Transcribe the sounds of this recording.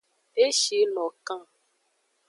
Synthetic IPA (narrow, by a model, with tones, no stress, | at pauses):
e˦ʃi˨˦lɔ̃˨kã˦˨